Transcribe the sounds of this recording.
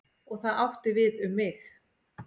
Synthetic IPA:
ɔɣθaðawht̪ɪvɪðʏmːɪx

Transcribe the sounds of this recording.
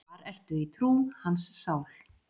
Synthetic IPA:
aɾɛr̥t̪ʏit̪ʰɾuːhansːaːwl

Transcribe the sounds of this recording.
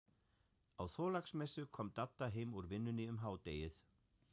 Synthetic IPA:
awθɔːlaksmɛsʏkʰɔːmt̪at̪ːaɦeːjmuɾvɪnːʏnɪʏmɦaːwt̪eːjɪθ

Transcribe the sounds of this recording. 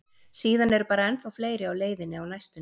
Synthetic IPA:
siːðanɛɾʏpaːɾaɛnθfawfleːjɾɪawleːjðɪnɪawnajst̪ʏ

